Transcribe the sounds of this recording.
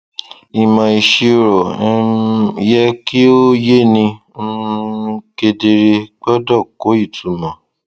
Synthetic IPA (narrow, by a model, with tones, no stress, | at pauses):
i˨mã˨i˨ʃi˧o˧ɾɔ˨˦jɛ˦ki˦o˦je˦nĩ˧˦˧ | ke˧de˧ɾe˧k͡pɔ˦dɔ˦˨ko˨˦i˦˨tʰu˨mɔ̃˨